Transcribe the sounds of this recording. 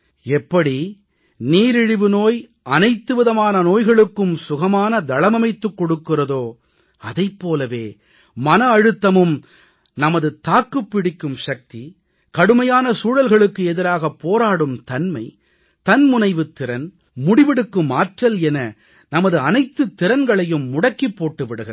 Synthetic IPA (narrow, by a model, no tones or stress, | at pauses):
ɛpːɐɽi | niːɾɪɻɪʋɯnoːj | ɐnɐɪt̪ːɯʋɪðɐmaːnɐnoːjɣɐɭɯkːɯmsʊɣɐmaːnɐd̪ɐɭɐmɐmɐɪt̪ːɯkːɔɽɯkːɯrɐðoː | ɐðɐɪpːoːlɐʋeː | mɐnɐːɻɯt̪ːɐmɯm | nɐmɐðɯt̪aːkːɯpːɪɽɪkːɯmʂɐk̚t̪i | kɐɽɯmɐjaːnɐsuːɻɐlɣɐɭɯkːɯɛðɪɾaːɣɐpːoːɾaːɽɯmt̪ɐnmɐ̰ɪ | t̪ɐnmʊnɐɪʋɯt̪ːɪɾɐn | mʊɽɪʋɪɽɯkːɯmːaːʈrɐlɛnɐ | nɐmɐðɯɐnɐɪt̪ːɯt̪ːɪɾɐnɡɐɭɐjɯmːʊɽɐkːipːoːʈːɯʋɪɽɯɣɪɾɐ